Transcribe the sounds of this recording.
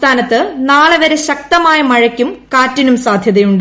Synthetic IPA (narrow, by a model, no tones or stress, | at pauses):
t̪ʰaːnɐt̪ːɨnaːɭɨʋɐɾeɕɐk̚t̪ɐmaːjɐmɐɻɐkʲːumkaːtːinumsaːd̪ʱjɐðɐjuɳɖɨ